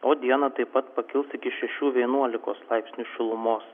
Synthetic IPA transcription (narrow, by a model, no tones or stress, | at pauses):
oːd̪ʲiɛnɐt̪ɐɪpːɐt̪pɐkʲɪlˠsɪkʲɪʃʲɛʃʲuːʋʲiɛnuɔlʲɪkoːslˠɐɪpʲsʲnʲuʃʲɪlˠʊmoːs